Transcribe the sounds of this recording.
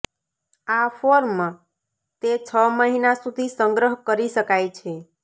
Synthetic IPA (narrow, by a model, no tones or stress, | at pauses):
afoɾmã | t̪et͡ʃʰəməɦinasud̪ʱisəŋɡɾəɦkəɾiʃəkajt͡ʃʰe